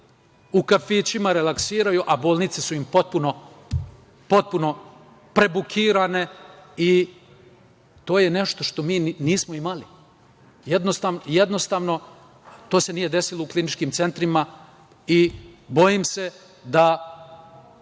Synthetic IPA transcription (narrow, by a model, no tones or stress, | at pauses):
ukafiːt͡ɕimaɾe̞laksiːɾajuʔaboːlˠnit̪sesuimpo̞t̪̚puno̞ | po̞t̪̚puno̞ | pɾe̞bukʰiːɾane̞i | t̪o̞ːjene̞ʃt̪o̞ʃt̪o̞miːniːsmo̞imali | jed̪nost̪aʋnjed̪no̞st̪aːʋno̞ | t̪o̞ːse̞nijed̪e̞silouklinit͡ʃkiːmt̪se̞nt̪ɾima | ibo̞jimse̞ | d̪a